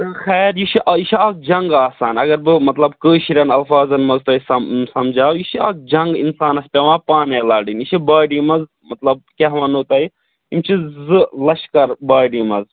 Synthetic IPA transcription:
t̪ɨxɛːɾjiʃiʔɐjiʃiak̚d͡ʒɐŋɡaːsaːnɐɡɐɾbɨmɐt̪lɐbkəːʃiɾɐnɐlfaːzɐnmɐzt̪oːisɐsɐmd͡ʒaːwjiʃiak̚d͡ʒɐŋɡḭnsaːnɐspʲeʋãːpaːneːlaːɖiniʃibaːɖiːmɐz | mɐt̪lɐb̚keɦʋɐnuːt̪ɐi | imt͡ʃʰizɨlɐʃkɐɾbaːɖiːmɐz

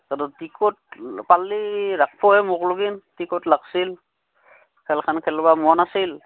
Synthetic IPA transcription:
kadɔtikɔt̚palːiɾak̚pʰɔhɛmɔklʊɡintikɔtlaksil | kʰɛlkʰankʰɛlbamɔnasil

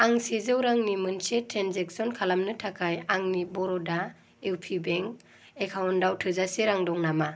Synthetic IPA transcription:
aŋsezɯwɾaŋnimɯnsetɾanzek̚sɔnkʰalamnɯtʰakʰajaŋnibɔɾɔda | ewpʰibɛŋk̚ | ekʰawndawtʰɯzaseɾaŋdɔŋnama

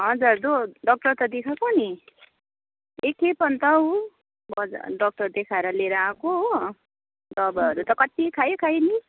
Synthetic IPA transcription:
ɦʌd͡zurd̪oɖʌk̚ʈʌrt̪ʌd̪ekʰakoni | ekepʌnt̪ʌu | bʌd͡z̰ɖʌk̚ʈʌrd̪ekʰaeɾʌleɾʌakoɦ | dʌbʌʌɾut̪ʌkʌt̪ikʰajokʰajni

